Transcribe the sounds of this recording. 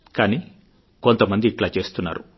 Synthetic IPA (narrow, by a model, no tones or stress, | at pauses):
kaːni | kont̪ɐmɐnd̪iːʈlaːt͡ʃe̞ːst̪unːa̰ːɾṵ